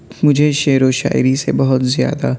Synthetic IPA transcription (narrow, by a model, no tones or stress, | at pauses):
mʊd͡ʒʱeʃeːɾoʃa̰ːɪɾisebɐɦʊt̪zja̰ːd̪a